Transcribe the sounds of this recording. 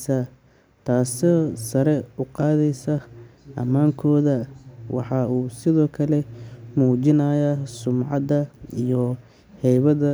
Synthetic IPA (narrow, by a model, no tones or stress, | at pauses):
sɐ | t̪ʰaːsɔsɐɾɛʊqɑːðɛjsɐʔɐmaːŋkʰɔːðɐwʔɑ̰ħɑuːsɪðɔːkʰɐlɛmuːt͡ʃɪnɐːjasʊmʕɑd̪ɐijɔ | hɛjβɐðɐ